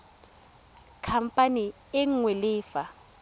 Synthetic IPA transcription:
kʰam̩pʼani | ɪŋŋwelɪːfa

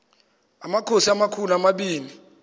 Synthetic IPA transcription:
amakʰosiamakʰuluamaɓiːni

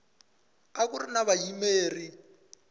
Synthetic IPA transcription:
ak̬urinaβajimeːri

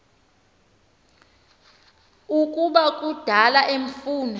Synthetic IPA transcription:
ukʼuɓakʼud̥ʱalaʔeɱfuːnɔ

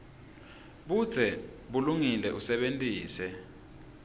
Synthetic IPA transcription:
ɓud̥z̥ʱɛɓuluŋilɛʔusɛɓentʼiːsɛ

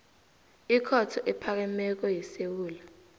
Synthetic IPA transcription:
ikʰɔtʰɔʔɛpʰak̬ɛmɛk̬ɔjisewuːla

